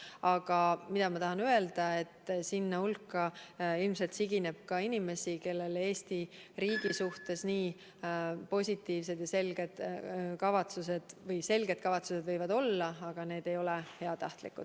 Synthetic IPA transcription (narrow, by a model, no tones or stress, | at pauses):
ɑɡ̥ɑmid̪̥ɑmɑt̪ɑɦɑnye̞ld̪̥ɑe̞t̪ːˑsinːɑulkːˑɑilmselt̪siɡ̥ine̞b̥̚kɑinime̞sike̞lːe̞le̞ːst̪iɾiːɡ̥isuht̪e̞sniː | po̞sʲit̪ːˑiːvse̞d̪jɑse̞lɡ̥e̞d̪̥kɑvɑt̪suse̞d̪̥vɤjse̞lɡe̞d̪̥kɑvɑt̪sused̪vɤjvɑd̪o̞lːɑɑɡ̥ɑne̞ːd̪̥e̞jo̞lehe̞ɑt̪ɑht̪lḭkːṵd̪̥